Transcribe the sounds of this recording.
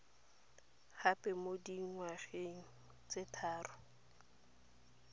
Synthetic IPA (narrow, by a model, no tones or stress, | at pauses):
hapʼɛmodiŋ̩ŋwaχeŋ̩ | t͡sʼetʰaːrʊ